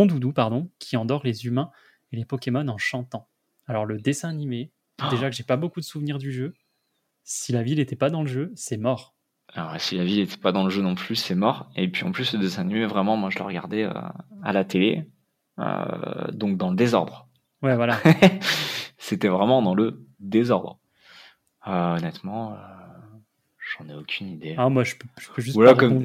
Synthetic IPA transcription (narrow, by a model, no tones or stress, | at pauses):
ɔ̃d̪ud̪upaʁd̪ɔ̃kʲʰiɑ̃d̪ɔʁlezymɛ̃ | elepɔkʲemɔnɑ̃ʃɑ̃t̪ɑ̃ | alɔʁləd̪esɛ̃anime | d̪eʒakəʒepabokud̪əsuvniʁd̪yʒø | silavilet̪ɛpad̪ɑ̃ləʒøsɛmɔʁ | awɛ̰silavilet̪ɛ̥pad̪ɑ̃ləʒønɔ̃plysɛmɔʁepɥiɑ̰̃plysləd̪esɛ̃animevʁɛmɑ̃mwaʒələ̰ʁəɡa̰ʁd̪ɛø̰alat̪ele | ø̰d̪ɔ̃k̚d̪ɑ̃ləd̪ezɔʁd̪ʁ | wɛvwala | set̪ɛvʁɛmɑ̃d̪ɑ̃ləd̪ezɔʁd̪ʁ | øɔnɛt̪mɑ̃ø | ʒ̥ɑ̃nɛokʲʰynid̪eamwaʒəpʒ̥ə̥pøʒystwalakɔm